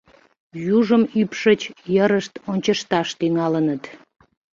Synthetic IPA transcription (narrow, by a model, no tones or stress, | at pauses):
juʒəmypʃət͡ɕjəɾəʃt̪onʲt͡ɕəʃt̪ɑʃt̪yŋɑlənət̪